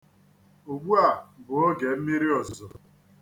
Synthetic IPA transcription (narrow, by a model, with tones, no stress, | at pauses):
o˨ɡ͡bu˦a˨bʊ˨o˦ɡe˨m̩˦mi˦ɾi˦ɔ˨zɔ˨